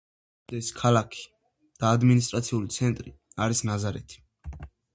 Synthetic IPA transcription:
d̪̥ɛskʰalakʰi̥ | d̪̥aːd̪minist̪ʼɾat̪sʰiulit̪sʰɛnt̪ʼɾiaɾisnazaɾɛt̪ʰi̥

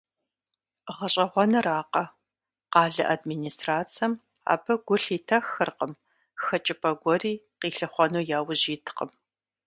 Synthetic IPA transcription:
ʁɐɕʼɐʁʷɔnɐraːqɐ | qɑːɮɐ̰ʔadminiːstraːt͡sʰɐm | a̰ːbɨɡʷʊɬiːtʰɐxɨrqəm | xɐt͡ʃʼɪpʰʼɐɡʷɔɾiː | qiːɬɨχʷɔnuːjaːwʑiːtʰqəm

